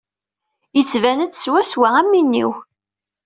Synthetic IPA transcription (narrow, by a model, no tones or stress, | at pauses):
jət͡sːvænət͡sːswæswææmːinːḭw